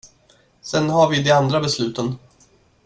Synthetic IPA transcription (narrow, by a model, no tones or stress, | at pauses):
sɛnɦaɾvɪd̪ɛand̪ɾabɛslʉ̟ːt̪ən